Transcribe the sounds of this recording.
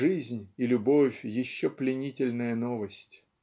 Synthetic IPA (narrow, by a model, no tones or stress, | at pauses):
ʐɨzʲnʲilʲʊbo̞fʲjɪɕːoplʲɪnʲitʲɪlʲnəjənovəsʲtʲ